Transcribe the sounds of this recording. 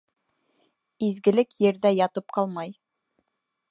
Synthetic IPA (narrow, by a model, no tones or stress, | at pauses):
izɡɘ̆lɘkjɘ̆ɾðæjɑt̪ɤp̚qɑlˠmɑj